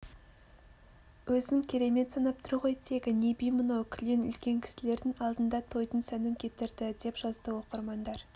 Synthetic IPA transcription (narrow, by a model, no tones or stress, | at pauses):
wɵzɪɪŋkʲʰe̞ɾe̞me̞t̪sɑnɑp̚t̪ʰʊɾʁo̞jt̪ʰe̞ɡʲɪnebijmənokʲʰɪlenʏ̰lkʲe̞ŋkʲʰɪ̥sɪle̞ɾd̪ɪŋɑlˠd̪ənd̪ɑt̪ʰo̞jt̪ənsænɪŋkʲʰe̞t̪ɪɾd̪ɪd̪e̞pʒ̥ɑzd̪əwo̞qəɾmɑnd̪ɑɾ